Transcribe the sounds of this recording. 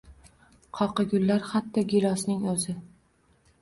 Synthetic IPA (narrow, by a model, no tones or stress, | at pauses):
qʰɒqɨɡʲʊlːaɾχat̪ʰːɒɡʲɪlˠɒsnɪŋɵzɪ